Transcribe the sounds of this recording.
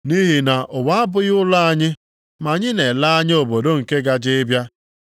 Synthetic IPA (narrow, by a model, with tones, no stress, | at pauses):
ni˦ɦi˨na˨ʔʊ˨wa˦a˦bʊ˦jʊ˦la˦a˦ɲɪ˦ | ma˨ɲɪ˦ne˨la˦a˦ɲɪ˦o˨bo˨do˦ŋ̩˨ke˦ɡa˦d͡ʒɪ˦ɪ˦bja˦